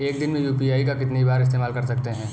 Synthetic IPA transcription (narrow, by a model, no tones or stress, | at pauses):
eːkd̪ɪnmẽjuːpiaːikakɪt̪neibaːɾɪs̬t̪eːmaːlkɐɾsɐk̚t̪eɦɛ̃ː